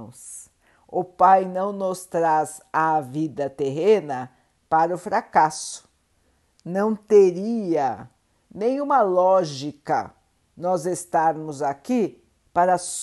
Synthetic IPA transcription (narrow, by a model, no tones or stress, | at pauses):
ʊ̃s | ʊpajnɐ̃w̃nʊst̪ɾaz | avid̪ɐt̪eɦẽnɐ | paɾɐʊfɾakasʊ̥ | nɐ̃w̃t̪eɾiɐ | nẽj̃ũmɐlɔʒikɐ̰ | nɔzest̪aɾmʊzaki | paɾɐs